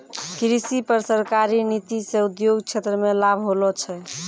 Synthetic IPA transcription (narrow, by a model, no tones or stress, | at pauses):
kɾisipəɾsəɾkaɾinit̪isẽud̪joɡt͡ʃʰet̪ɾəmelabʱɦolɔt͡ʃʰɛ